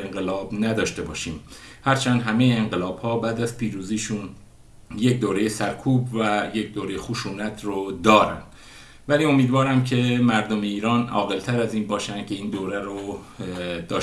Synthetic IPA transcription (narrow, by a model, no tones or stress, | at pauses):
eŋɢelɒːbnæd̪ɒːʃt̪e̞bɒːʃiːm | hæɾt͡ʃʰænd̪ɦæme̞jeːŋɢelɒːb̥hɒːbæːd̪æzpʰiːɾuːziːʃun | jecd̪oːɾejesæɾkʰuːbvæjecd̪oːɾejexuʃuːnæt̪ʰrod̪ɒːɾæ̰nd̪̥ | væliːo̞miːd̪vɒːɾæmcʰe̞mæɾd̪ome̞iːɾɒːnɒ̰ːɣe̞lt̪ʰæɾæziːnbɒːʃænd̪̥cʲʰe̞iːnd̪oːɾæɾo | d̪ɒː